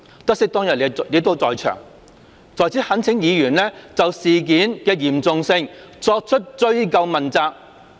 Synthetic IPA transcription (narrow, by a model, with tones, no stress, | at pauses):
t̪ɐ˥k̚sɪ˥k̚t̪ɔː˥ŋjɐ˨t̚le˨˧leː˨˥t̪o˥wt͡sɔː˨jt͡ʃʰœ̰ː˨˩ŋ | t͡sɔː˨˩jt͡si˨˥hɐ˨˥nt͡sʰɪ˨˥ŋjiː˨˧jyː˨˩nlɛː˥t͡sɐ˨wsiː˨k̬iː˨˥nkɛː˧jiː˨˩mt͡sʊ˨ŋsɪ˧ŋt͡sɔː˧k̚t͡ʃʰɵ˥t̚t͡ʃɵ˥ɥkɐ˧wmɐ˨nt͡saː˧k̚